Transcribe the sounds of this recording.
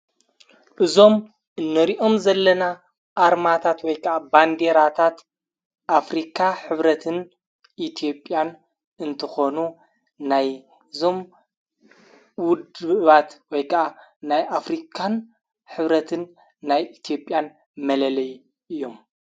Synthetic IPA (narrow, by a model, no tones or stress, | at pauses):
ʔɨzo̞m | ʔɨnːɐɾiʔo̞mzɐlːɐna | ʔaɾmat̪ʰat̪wɔjkʰɐʔaband̪eɾat̪ʰat̪ | ʔafɾikʰaħɨβɾɐt̪ʰɨn | ʔit̪ʰijo̞pʼːjan | ɨnt̪ʰɐxo̞nu | naj | ɨzo̞m | wʊd̪ɨβat̪wɔjkʰɐʔanajʔafɾikʰan | ħɨβɾɐt̪ʰɨnː | ajit̪ʰjo̞pʼjan | mɐlɐlɐj | ʔɨjːo̞m